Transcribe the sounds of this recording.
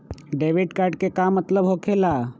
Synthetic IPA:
ɖeʋiɖkaɾɖkekamːət̪ləbɦokʰela

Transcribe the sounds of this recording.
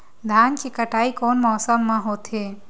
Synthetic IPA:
d̪ʱaːnkekəʈaːikoːnmɔːsəmːə̃ɦoːt̪ʰe

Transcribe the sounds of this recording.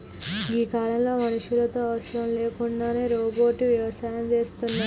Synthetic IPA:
iːkaːlɐmloːmɐnuʂulɐt̪o̞ːɐʋɐsɾɐmle̞ːkuɳɖaːne̞ːɾoːboːʈiʋjɐʋɐsaːjɐmt͡ʃe̞ːst̪unːa

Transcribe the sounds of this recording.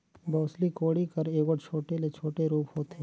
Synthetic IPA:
bɔːslikoːɽikɐɾeːkəʈt͡ʃʰoːʈelet͡ʃʰoːʈeɾuːpɦoːt̪ɦɛ̃ː

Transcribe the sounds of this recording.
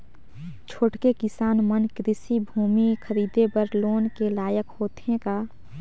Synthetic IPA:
t͡ʃʰoːʈkekɪsaːnmənkɾɪsibʱuːmikʰəɾiːd̪ebəɾloːnkelaːjəkhoːt̪ɦẽkaː

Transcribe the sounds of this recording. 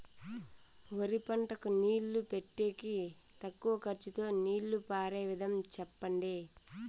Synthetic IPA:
ʋoɾipɐɳʈɐkuniːlːupeʈːeːki | t̪ɐkːuʋɐkɐɾt͡ʃit̪o̞ːniːlːupaːɾeːʋid̪ʱɐmt͡ʃɛpːɐɳɖeː

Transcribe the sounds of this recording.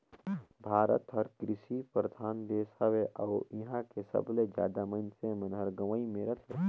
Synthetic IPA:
bʱaːɾə̰t̪ɦɐɾkɾɪʃipɾəd̪ʱʰaːnd̪eːshaʋeʔawiɦãkesɐ̰bled͡ʒja̰ːd̪amənsẽmə̃nɦɐɾɡɐʋəimeːɾət̪ʰɦḛ

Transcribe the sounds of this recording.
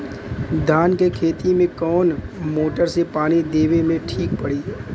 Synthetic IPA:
d̪ʱaːnkekʰeːt̪imẽkɔːnmoːʈəɾsepaːñid̪eːʋemẽʈʰiːk̚pəɽiː

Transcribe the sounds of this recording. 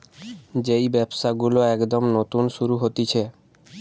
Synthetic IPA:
d͡ʑejbɛbʃaɡuloɛkd̪omnot̪unʃuɾuɦot̪it͡ɕʰe

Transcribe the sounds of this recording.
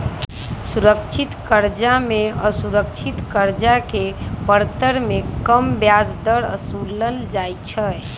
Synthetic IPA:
suɾəkt͡ʃʰit̪kəɾd͡ʒameəsuɾək̚t͡ʃʰit̪kəɾd͡ʒakepəɾt̪əɾmekəmbjad͡ʒd̪əɾə̰suləld͡ʒajt͡ʃʰə

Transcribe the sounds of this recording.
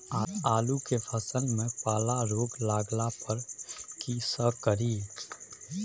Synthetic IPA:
aːaːlukepʰəsəlmẽpaːlaɾoːɡlaːɡlapəɾkisəbkəɾi

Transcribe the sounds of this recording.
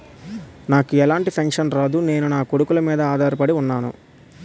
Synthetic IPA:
naːkuɛlaːɳʈipʰɐŋkʂɐnɾaːd̪une̞ːnunaːkoɽukulɐmiːd̪ɐaːd̪ʱaːɾɐpɐɽiunːaːnṵ

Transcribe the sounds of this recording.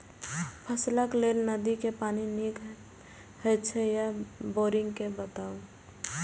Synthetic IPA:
pʰəsləkleːlnəd̪ikepaːninik | hət͡ʃʰejaboːɾɪ̃ŋɡkebət̪aːo

